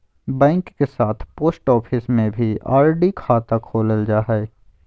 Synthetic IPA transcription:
bɛ̃ːŋkːesaːt̪ʰpoːsʈɔːpʰɪsmẽbʱia̰ːɾɖikʰaːt̪akʰoːləld͡ʒaːɦɛe

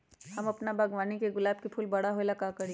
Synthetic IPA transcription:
hɐmɐpnabʱɐɡʋaːnikeɡʊlaːb̚kipʰʊːlbɐɽaɦoelakakɐɾi

